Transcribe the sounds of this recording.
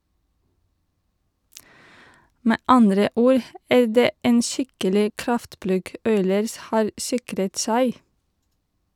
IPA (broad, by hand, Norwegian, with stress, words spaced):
ˈmeː ˈɑndɾə ˈuːɾ ˈæː ˈɖeː ˈeːn ˈʃɪkəlɪ ˈkɾɑftˌplʉɡ ˈɔʏləɹs ˈhɑːɾ ˈsɪkɾət ˈsæɪ